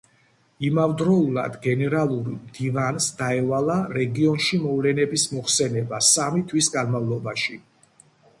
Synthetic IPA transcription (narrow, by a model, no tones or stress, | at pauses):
imavd̪ɾɔulˠa̰d̪ɡɛnɛɾalˠuɾimd̪ivansd̪aɛvalˠaɾɛɡiɔnʃimɔvlɛnɛbismɔχsɛnɛbasamit̪ʰwisɡanmavlˠɔbaʃi